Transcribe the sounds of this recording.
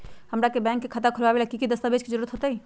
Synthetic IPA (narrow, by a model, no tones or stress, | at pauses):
həmɾakebɛ̃ːŋkːekʰət̪akʰʊɾʋabelakikid̪əst̪abed͡ʒkid͡ʒəɾuːɾət̪ɦot̪ai